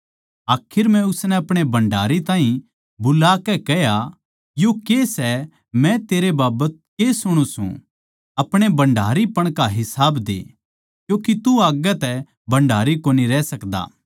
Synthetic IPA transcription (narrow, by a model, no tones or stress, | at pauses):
aːkʰɪɾmɛ̃ʊsnɛɐpɽ̃ebɐ̃ɳɖʱa̰ːɾit̪ãːɦĩ | bʊlakɛkɛja | jokesɛ | mɛ̃t̪eːɾebaːbət̪̚kesʊɽ̃ũsṵ̃ | ɐpɽ̃ebɐ̃ɳɖʱaːɾipɐɽ̃kaɦɪsaːbd̪ḛː | kjõːkit̪uaːɡɛt̪ɛ | bɐ̃ɳɖʱaːɾikoːniɾɛːsɐkd̪a̰ː